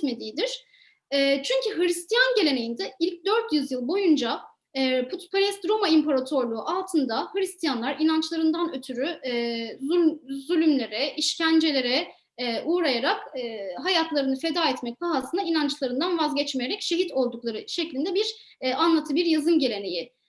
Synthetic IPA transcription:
t̪me̞d̪ijid̪iɾ̥ | ɛt͡ʃʰyɲcʰiɦɯɾist̪ʰijanɟe̞lʲe̞nejind̪ɛilʲc̚d̪øɾt̪ʰjyzjɯlˠbo̞jund͡ʒa | pʰut̪pʰaɾɛst̪ɾo̞maimpʰaɾat̪ʰo̞ɾlˠuːʔalˠt̪ʰɯnd̪ahɯɾist̪ʰijanlˠaɾinant͡ʃlˠaɾɯnd̪anø̞t̪ʰyɾy | zyzylʲymlʲe̞ɾɛʔiʃcænd͡ʒe̞lʲe̞ɾɛ | ʔuːɾajaɾakːɦajat̪lˠaɾɯnɯfe̞d̪aːɛt̪mɛc̚baɦasɯnainant͡ʃlˠaɾɯnd̪anvazɟɛt͡ʃmejeɾɛcʃe̞ɦit̪ʰo̞lˠd̪uklˠaɾɯʃeclʲind̪ɛbiɾ | anlˠat̪ʰɯbiɾjazɯnɟe̞lʲe̞ne̞ji

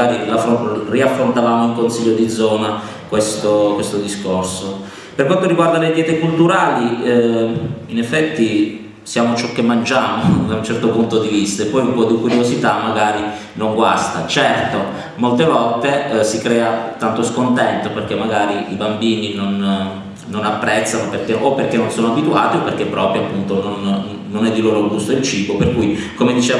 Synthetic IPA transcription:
aːɾiraforiafɾont̪avaːmoiŋkonsiʎːod̪id̪zːɔːna | kwest̪okwest̪od̪iskorso | perkwant̪orːiɡward̪aled̪jɛːt̪ekult̪uɾaːli | inɛfːɛt̪ːi | sjaːmot͡ʃɔkːemːand͡ʒaːmod̪aunt͡ʃɛrt̪opunt̪od̪ivist̪aepːɔjupɔd̪ikuɾjozit̪amːaɡaːɾi | noŋɡwast̪at͡ʃɛrt̪o | molt̪̬evɔlt̪esikɾɛːat̪ant̪oskont̪ɛnt̪operk̟emːaɡaːɾiibambiːninonː | onapːɾɛt̪sːanoperkeopːerk̟enːonsoːnoabit̪ua̰ːt̪iopːerk̟epːɾɔːpɾjoapːunt̪ononː | onɛd̪ːiloːɾoaɡust̪oilt͡ʃiːboperkujkomed̪it͡ʃeː

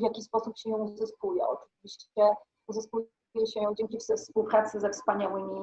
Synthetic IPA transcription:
vʲjakʲispɔsupɕɛjɔ̃w̃zɨskujɛ̰ɔ̰t͡ʂɘvʲiɕt͡ɕt͡ɕɛ | uzɨsku | jɛɕɛjɔ̃w̃d͡ʑɛŋkʲifzɛfspuwpɾat̪sɘzɛfspaɲawɘmʲi

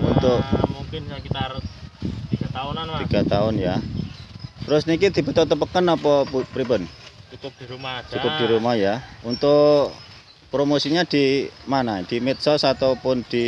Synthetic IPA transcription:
ṵnt̪ʊʔukɪnkit̪a | iɡ̥at̪at̪iɡ̥at̪aʊnja | t̪ɾʊsnikid̪̥i̤b̥ə̤t̪ɔt̪əp̬əkənɔpɔppɾibənt͡ʃk̚diat͡ʃukʊp̚d̪̥i̤ɾumahjaunt̪ʊʔ | pɾomosiɲad̪̥imanad̪̥i̤met̪sɔsat̪opʊnd̪̥i

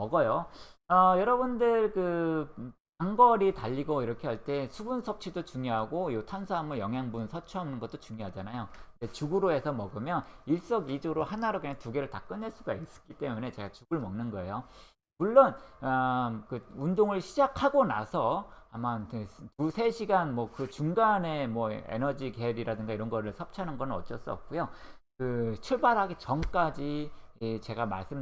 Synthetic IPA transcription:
mʌɡʌjoʌjʌɾʌbundɯɭkɯ | paŋɡʌɾitaʎːiɡoiɾʌkʰeɦaɭt͈e̞sʰubunsʰʌp̚t͡ɕʰidot͡ɕuŋjoɦaɡoiotʰansʰaamɯɭjʌŋɦjaŋbunsʰʌt͡ɕʰuɦamnɯnɡʌt͈ot͡ɕuŋɲjoɦad͡ʑanajond͡ʑe̞t͡ɕuɡɯɾoe̞sʰʌmʌɡɯmjʌniɭs͈ʌɡid͡ʑoɾohanaɾokɯɲaŋtuɡe̞ɾɯɭtak͈ɯnːeɭs͈uɡais͈ɯ̥k͈it͈e̞mune̞t͡ɕe̞ɡat͡ɕuɡɯɭmʌŋnɯnɡʌe̞̰jo | muɭːʌn | kɯundoŋɯɭɕʰid͡ʑakʰaɡonasʰʌamantusʰe̞ɕʰiɡanmwʌkɯt͡ɕuŋɡane̞mwʌḛnʌd͡ʑike̞ɾiɾadɯŋɡaiɾʌnɡʌɾɯɭsʰʌp̚t͡ɕʰanɯnɡʌnɯnʌ̰t͡ɕ͈ʌs͈ʌ̰p̚k͈ujo | kɯt͡ɕʰuɭbaɾɦaɡet͡ɕʌmk͈ad͡ʑi | t͡ɕe̞ɡamaɭs͈ɯm

